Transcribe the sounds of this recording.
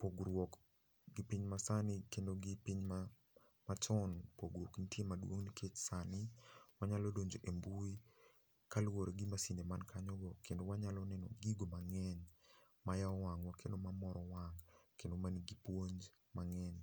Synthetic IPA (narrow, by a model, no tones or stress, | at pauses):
poɡɾwɔk | ɡɪpiɲmasanɪkendoɡɪpiɲma | mat͡ʃɔnpoɡwokntjemadwoŋnikʰet͡ʃsanɪwaɲalɔdoɲd͡ʒoʔembui | kalwoɾeɡimasindemankʰaɲɔɡɔkʰːendowaɲalɔnɛnɔ̰ɡiɡomaŋɛɲ | majaɔwaŋwɔkʰendomamɔɾɔwaŋkendomaniɡipwoɲd͡ʒ | maŋɛɲ